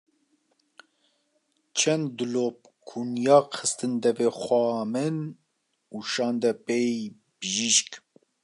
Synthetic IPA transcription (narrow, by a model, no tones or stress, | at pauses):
t͡ʃʰɛnd̪d̪ɨlop̚ | kʰunjɑːxʰɨst̪ɨnd̪ɛvexʷɑːmɨn | uʃɑːnd̪ɛpej | bɨʒiʃk